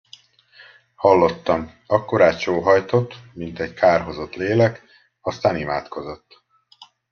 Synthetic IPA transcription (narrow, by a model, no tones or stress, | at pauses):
hɒlːo̞t̪ːɒm | ɒkːoɾaːt͡ʃoːɦɒjt̪o̞t̪ːmint̪ɛɟkʰaːrɦo̞zo̞t̪leːlɛk | ɒst̪aːnimaːt̪ko̞zo̞t̪ː